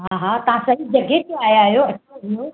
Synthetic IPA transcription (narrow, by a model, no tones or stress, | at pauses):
ɦaɦat̪ɐʋ̤ãsɐɦid͡ʑɐɡet̪eaːɦjaɦijoɐtːʰaijo